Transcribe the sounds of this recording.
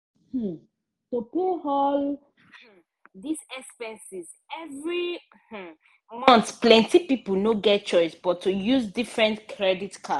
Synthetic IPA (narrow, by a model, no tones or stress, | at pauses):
h̩ | topeɦɔl̩ | disɛkspɛ̃nsiz | ɛvɹi | h̩ | mɔ̃ntplɛ̃ntipipul̩noɡɛt̚t͡ʃɔɪsbɔtːujuzdifɹɛ̃ntkʰɹɛditkʰa